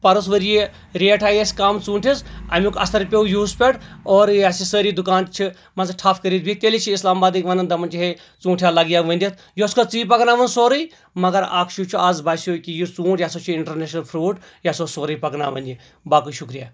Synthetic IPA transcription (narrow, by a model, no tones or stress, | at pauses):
pɐɾus̬ʋəɾije | ɾeːʈʰaːjesʲkaːmt͡sũːʈʰisɐ̰mʲukʰɐ̰st̪ʰɐɾpʲeujuːspʲeʈoːɾjaːsisəːɾid̪ukaːnt̪t͡ʃʰi | mɐnzʈʰaːpʰkəɾiːt̪̚bʱit̪elit͡ʃʰiislaːmbaːd̪ikʲʋɐnɐnd̪ɐmɐnt͡ʃiɦe | t͡sũːʈʰjaːlɐɡijaːʋɐnd̪ʲit̪̚ʰ | joskʰot͡siːpɐknaːʋɐnsoːɾɐj | mɐɡɐɾa̰ːkʰʃut͡ʃʰuaːzbaːsoːkijit͡sũːʈjaːsot͡ʃʰuiɳʈɐɾneːʃnɐlpʰɾuːʈ | jasosoːɾəjpɐkna̰ːʋɐ̰nʲi | baːkuʃukɾijaː